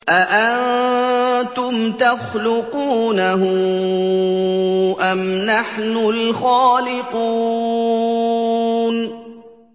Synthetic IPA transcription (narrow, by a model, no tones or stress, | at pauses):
ʔaʔann | t̪ʊmt̪axlʊquːnaɦʊ | ʔamnaħnʊlxaːlɪquː | n